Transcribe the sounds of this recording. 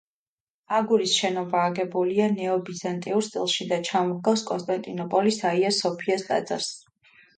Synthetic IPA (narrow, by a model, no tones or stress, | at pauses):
aɡuɾisʃɛnɔbaːɡɛbulianɛɔbizant̪ʼiuɾst̪sʼḭlˠʃid̪at͡ʃʰamɔɡaskʼɔnst̪ʼant̪ʼinɔpʼɔlisaiasɔpʰiast̪ʼa̰d̪z̥a̰ɾs